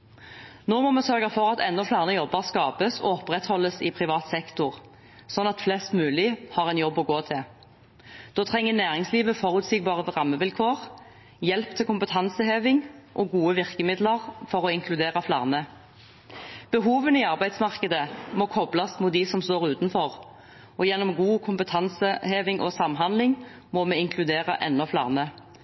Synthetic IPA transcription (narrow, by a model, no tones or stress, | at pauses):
noːmɔmɛsœʁɡɑfɔʁɑt̪ɛnːɔflæːʁnəjɔbːɑʁskɑːpəsɔ̰ɔpːʁɛt̪hɔlːəsɪpʰʁɪʋɑːt̪sɛkt̪ʊʁ | sɔnːɑt̪flɛst̪mʉːlɪhɑːʁɛnjɔbːɔɡoːt̪ʰɪl | d̪̥oːt̪ʰʁɛŋːənæːʁɪŋsliːʋəfɔʁʉːt̪sɪɡ̚bɑːʁəʋʁɑmːəʋɪlkʰoːʁ | jɛlpt̪ʰɪlkʊmpət̪ʰɑnsəheːʋɪŋʔɔɡuːəʋɪʁkəmɪd̪ləʁfɔʁɔɪŋkʰlʉd̪eːʁɑflɑ̰ʁnə | b̥əɦuːʋənɪɑʁbæɪd̪smɑʁkəd̪əmɔkʰɔblɑsmut̪d̪isɔmst̪oːʁʉːt̪nfɔʁ | ɔjɛnːɔmɡuːkʰʊmpət̪ʰɑnsəheːʋɪŋʔɔ̰sɑmɦɑnd̪lɪŋ | mɔmɛɪŋkʰlʉd̪eːʁɑʔɛ̰nːɔflɑ̰ːʁnə